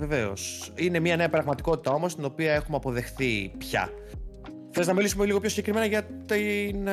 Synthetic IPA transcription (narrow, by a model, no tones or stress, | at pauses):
ve̞ve̞o̞̰sine̞miɐne̞ɐpɾɐɣmɐt̪i̥ko̞t̪i̥t̪ɐo̞mo̞st̪ino̞piɐe̞xumeɐpo̞ðe̞xθipçɐ̰ | xθe̞znɐmilisumeliɣo̞pçosiɲɟekɾime̞nɐʝɐt̪in